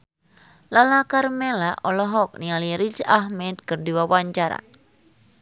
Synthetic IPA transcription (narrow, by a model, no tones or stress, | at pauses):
lalakarmɛlaʔɔlɔɦɔk̚nialiɾid͡ʒaɦmɛd̪̚kɨrdiwawaɲt͡ʃaɾa̰